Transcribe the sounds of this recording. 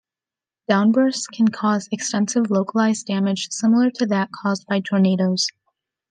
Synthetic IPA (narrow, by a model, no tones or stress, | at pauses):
d̥ãʊ̃nbɜ˞skʰɨ̃n̩kʰɔzɨkstɛ̃nsɨvloʊkəlˠaɪzdæmɨd̥ʒ̥sɪ̃ml̩ˠə˞ɾɨðɨt̚kʰɔzbaɪtʰɔɹneɪɾoʊz̥